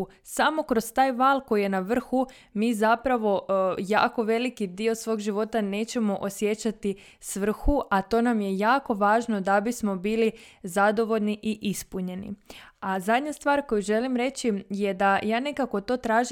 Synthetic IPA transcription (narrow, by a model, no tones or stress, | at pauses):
samo̞kɾo̞z̥t̪aːjʋaːlko̞jije̞naʋr̩xu | miːzapɾaʋo̞ja̰ːko̞ʋe̞likid̪iːo̞sʋo̞ːɡʒiʋo̞t̪ane̞ːt͡ɕe̞mo̞ʔosje̞t͡ɕat̪i | sʋr̩xuʔat̪o̞ːnamjejaːko̞ʋaːʒno̞d̪abismo̞biːlizad̪o̞ʋo̞ʎniʔiʔispuɲe̞nḭazad̪ɲast̪ʋaːɾkojuʒe̞limɾe̞t͡ɕije̞d̪ajaːne̞kako̞t̪o̞ːt̪ɾaːʒ